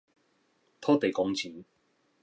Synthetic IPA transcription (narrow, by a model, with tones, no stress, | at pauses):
t̪ʰɔː˥t̪e˨jkɔː˨˧ŋt͡sʰiː˨˥n